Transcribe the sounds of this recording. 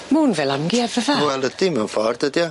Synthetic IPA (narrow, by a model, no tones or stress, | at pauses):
muːnvɛlˠamɡiɛvəvawɛlˠədimɛwnfɔrd̥ədjɔ